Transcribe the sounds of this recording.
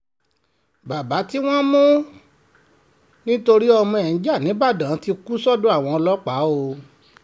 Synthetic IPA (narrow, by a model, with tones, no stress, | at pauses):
ba˨ba˨˦ti˦w̃ɔ̃˦mũ˦ | nĩ˦to˧ɾi˦ɔ˧mɔ̃˧ɛ˨n̩˨˦d͡ʒa˦˨nĩ˨˦ba˦˨dã˨˦ti˧ku˦sɔ˦˨do˦a˦˨w̃ɔ̃˧ɔ˧lɔ˦k͡pa˨˦o˧